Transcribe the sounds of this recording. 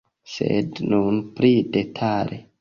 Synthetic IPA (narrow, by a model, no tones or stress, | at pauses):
sḛdnunpɾidetʰalʔe